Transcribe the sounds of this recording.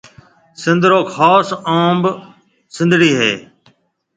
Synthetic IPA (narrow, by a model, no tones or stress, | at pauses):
sɪ̃nd̪ʱɾoːkʰaːsãːmb | sɪ̃nd̪ʱɽiːɦḛː